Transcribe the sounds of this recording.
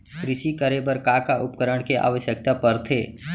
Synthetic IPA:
kɾɪʃikəɾebəɾkakaʔʊpkəɾəɽ̃keʔa̰ːʋəʃjək̚t̪apəɾt̪ʰḛː

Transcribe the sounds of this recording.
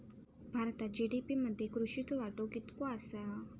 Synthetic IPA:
bʱaɾt̪ad͡ʒiɖipiməd̪ekɾuʃit̪ʰoʋaʈokit̪koasa

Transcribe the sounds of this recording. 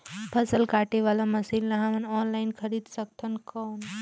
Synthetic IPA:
pʰɐsəlkaːʈeʋaːlamɐsilnaɦamɐnɔːnlaːinkʰɐɾiːd̪sɐk̚t̪ʰɐnkɔːn

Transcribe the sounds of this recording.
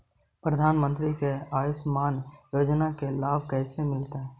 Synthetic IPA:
pɾəd̪ʱaːnmə̃nt̪ɾikeaːjʊsmaːnjoːd͡ʒnakelaːbʱkɛːsemɪlt̪aɦɛː

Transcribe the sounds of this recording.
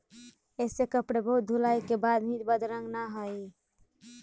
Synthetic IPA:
esekəpɽebəɦut̪̚d̪ʱulajkebad̪mit̪bəd̪ʱɾəŋɡnaɦəj

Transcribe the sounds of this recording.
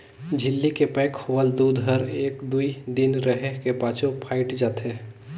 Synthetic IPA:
d͡ʒʱɪlːikepɛ̃ːkhoʋəld̪uːd̪ɦəɾeːkd̪uid̪ɪnɾəɦekepaːt͡ʃopʰaːɪʈd͡ʒaːt̪e

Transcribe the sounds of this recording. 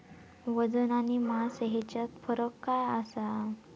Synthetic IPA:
ʋəd͡zənanimaseɦet͡ɕat̪fəɾəkːajasa

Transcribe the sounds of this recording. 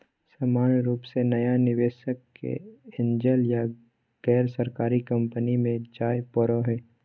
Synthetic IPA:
saːmaːnɾuːpsenɐjanɪʋeːʃəkːḛɪ̃nd͡ʒəlja | ɡ̥ɛːɾsɐɾkaːɾikɐ̃mpənimẽd͡ʒaːjpɔɾoɦɛː

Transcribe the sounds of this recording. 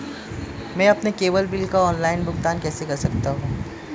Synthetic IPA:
mɛ̃ːɐpnekeːʋəlbɪlkaɔːnlaːɪnbʊɡt̪aːnkɛːsekɐɾsɐk̚t̪aɦũː

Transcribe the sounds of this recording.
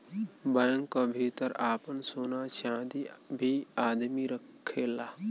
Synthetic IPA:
bajə̃ŋkːabʱit̪əɾaːpənsoːnat͡ʃãːd̪ibʱiaːd̪miɾəkʰːeːlaː

